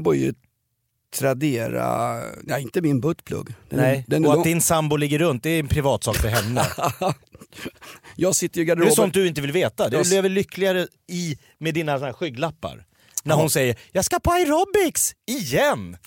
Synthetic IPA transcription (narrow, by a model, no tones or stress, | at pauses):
bœɾjə̰ | t̪ʰɾad̪eːɾa̰jaɪnt̪əmɪnbɵt̪pʰlɵ̰ɡːd̪ɛ̰nɛd̪ɛnɔad̪ɪnsambʊlɪɡːəɾɵnt̪̚d̪ɛɛnpʰɾɪvɑːt̪sɑːkfœɾɦɛnːə̰ | jɑːɡsɪt̪ːəɾjɡad̪ɛsɔmt̪̚d̪ɵɪnt̪əvɪlveːt̪ad̪ɛleːvəɭʏkʰːlɪɡaɾə | ɪ | med̪iːnasɔnhæːɾɧʏːɡlapːa̰ɾ | næɾhʊnsɛjːəɾjɑːɡskapʰɔajɾɔbɪksɪjɛnː